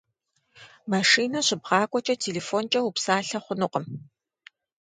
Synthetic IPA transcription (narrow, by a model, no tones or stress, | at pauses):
maʂiːnɐɕɪbʁɑːkʷʼɔt͡ʃʼɐtʰeːleːfont͡ʃʼɐwupsaːɬɐχʷʊnɨqʼəm